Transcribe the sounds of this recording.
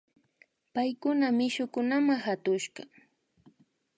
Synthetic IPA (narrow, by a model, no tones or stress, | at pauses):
pajkʊnamɪʃʊkʊnamahat̪ʊʃɢɑ